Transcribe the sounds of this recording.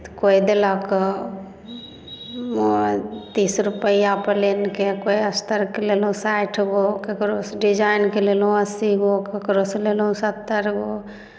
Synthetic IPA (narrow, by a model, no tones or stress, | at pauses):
t̪kojd̪elak | mot̪isɾupəijapəlenkekojəst̪əɾkelelũsajʈʰɡokekɾosɖid͡ʒajnkelelɦũəsiɡokekɾoselelɦũsət̪ːəɾɡo